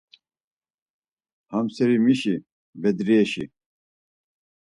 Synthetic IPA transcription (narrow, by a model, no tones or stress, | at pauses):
hamsɛɾimiʃi | bɛd̪ɾɛːʃḭ